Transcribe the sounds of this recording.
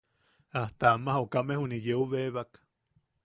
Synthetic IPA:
aht̪aamahokamehunijeuβeβak

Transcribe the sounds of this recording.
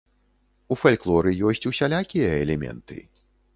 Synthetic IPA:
ufalʲklˠɔɾɨjɔsʲt͡sʲusʲalʲakʲijɐɛlʲɛmʲɛ̰nt̪ɨ̰

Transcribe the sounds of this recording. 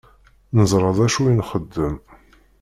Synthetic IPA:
nəzˤɾˤəðˤæʃuinχəd̪ːəm

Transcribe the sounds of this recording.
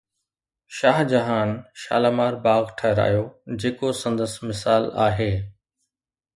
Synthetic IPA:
ʃaːɦd͡ʑɐɦaːnʃa̰ːlaːmaːɾbaːɣʈʰɐɦɪɾa̰ːɦijod͡ʑeːkosɐ̃nd̪əsmɪsaːla̰ːɦeː

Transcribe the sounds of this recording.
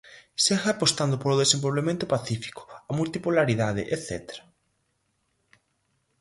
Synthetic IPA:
seɣaaːpost̪and̪ʊpoɾoðesembolβemẽnt̪ʊpaθifi̥kʊ̥amult̪ipulaɾiðað̞ɪ̰ʔeθɛ̰t̪eɾḁ

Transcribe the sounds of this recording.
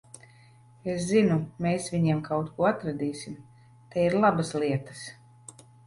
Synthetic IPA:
eszinumeːsvʲiɲiɛmkʰawt̪kuɔat̪ɾad̪iːsʲim | t̪ɛiɾlˠabaslˠiɛt̪ḁs

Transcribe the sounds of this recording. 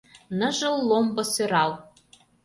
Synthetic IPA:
nɤ̆ʒɤ̆lˠːombɤ̆søɾɑlˠ

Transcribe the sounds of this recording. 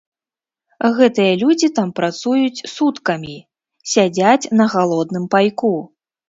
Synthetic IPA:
ɣɛt̪ɨjɐlʲud͡zʲit̪ampɾat̪sujut͡sʲsut̪kɐmʲi | sʲad͡zʲat͡sʲnɐɣalˠɔd̪nɨmpajku

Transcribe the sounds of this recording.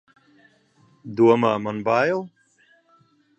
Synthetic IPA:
d̪uɔmaːmanbaːjɛlˠ

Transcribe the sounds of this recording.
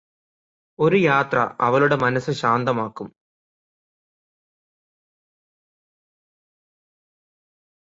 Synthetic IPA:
o̞ɾujaːt̪rɐ̰ʔɐ̰ʋɐɭuɽe̞mɐnɐsːɨɕaːnd̪ɐmaːkːum

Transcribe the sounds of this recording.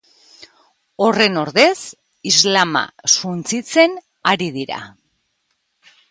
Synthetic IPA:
o̞re̞no̞ɾðe̞s | izlama̰sunt͡sit͡se̞n | aɾið̞iɾa̰

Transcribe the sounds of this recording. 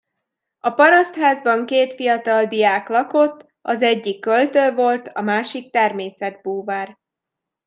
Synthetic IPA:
ɒpɒɾɒst̪haːzbɒŋkeːt̪fijɒt̪ɒld̪ijaːklɒko̞t̪ː | ɒzɛɟːikːølt̪øːvo̞lt̪ɒmaːʃik̚t̪ɛrmeːsɛd̪̚buːvaːr

